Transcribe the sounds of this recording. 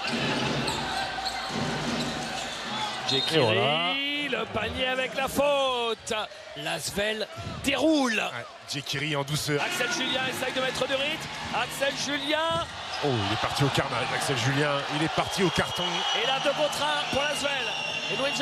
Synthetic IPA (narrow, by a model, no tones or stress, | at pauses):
djekĩlailəpaɲjeavɛklafot̪ | lasvɛld̪eʁul | d̪jekʲiʁiɑ̃d̪usœːʁaksɛlʒyljɛ̃ɛsajd̪əmɛt̪χəd̪yʁit̪maksɛlʒyljɛ̃ | oḭlɛpaʁt̪iokaʁnaʒaksɛlʒyljɛ̃ilɛpaʁt̪iokaʁt̪ɔ̃elad̪əkɔ̃t̪χɛ̃puʁlazvɛl | enũɛʒ